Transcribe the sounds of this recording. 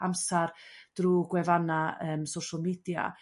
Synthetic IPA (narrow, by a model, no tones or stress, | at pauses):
amsard̥ruɡwɛvanaəːmsoʃalˠmiːdja̰